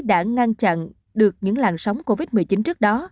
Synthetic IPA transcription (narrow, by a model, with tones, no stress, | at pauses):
ɗa̰ː˧˥ŋa˧nt͡ɕa̰˧˨n | ɗɨ˨˩ək̚ɲɨ̰˧˥ŋlaː˨˩nsa˨˦wŋ͡mko˧vi˦˥t̚mɨ˨˩əjt͡ɕi˨˦nt͡ɕɨ˦˥ək̚ɗɔ˨˦